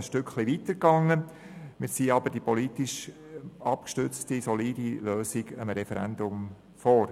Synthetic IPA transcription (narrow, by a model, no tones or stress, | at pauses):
sʃtʏkχliʋitəɾkɑŋːə | mɪːɾsiːɑbəɾd̥ipʰɔlitiʃ | ɑpkʃtʏt͡stisɔliːdiløːsiɡəmɾɛfɛɾæ̰ndʊm | fɔːɾ